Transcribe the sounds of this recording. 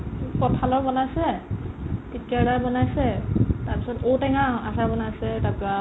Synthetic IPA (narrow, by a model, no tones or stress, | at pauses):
pɔtʰalɔɹbɔnajsɛ | titkaɹdabɔnajsɛtaɹpisɔtowtɛŋaasaɹbɔnajsɛtaka